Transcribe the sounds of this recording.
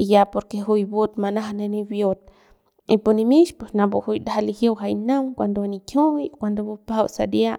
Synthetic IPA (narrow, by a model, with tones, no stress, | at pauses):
i˨ja˧po˧ɾke˧ɦu˧jbu˦t̪ma˧na˦ɦa˧ne˧ni˧bjo˧t̪̚ | i˧pu˧ni˧mi˦ʃpwe˨sna˧bu˧hu˧jd̪aa˧li˧hje˦wɦajna˦ŋkʷa˧nd̪o˧a˧nikjo˦ikʷand̪o˧bu˧pa˦wsa̰d̪ja˦ʔ